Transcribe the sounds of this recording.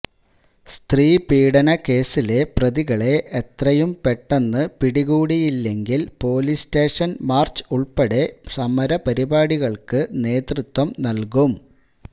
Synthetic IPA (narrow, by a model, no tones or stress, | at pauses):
st̪riːpiːɽɐnɐke̞ːsile̞prɐðiɣɐɭe̞ʔet̪rɐjumpeʈːenːɨpiɽiɣuːɽijilːe̞ŋɡilpo̞ːliste̞ːʂɐnmaːrt͡ɕɨ̥uɭpeɽe̞sɐmɐɾɐpɐɾibaːɽiɣɐɭkɨne̞ːt̪rut̪ːwɐmnɐlkum